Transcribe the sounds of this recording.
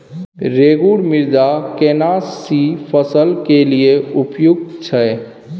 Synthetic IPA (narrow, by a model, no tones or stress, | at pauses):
ɾeɡuɽmiɾd̪akenasipʰəsəlkelijeupjuɡ̪̚t͡ʃʰɛ